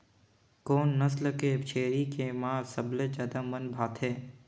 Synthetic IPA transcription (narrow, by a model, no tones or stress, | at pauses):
koːnːɐsləkeːbt͡ʃʰeːɾikemãːsəbled͡ʒaːd̪aːmənbʱaːt̪ʰɦeː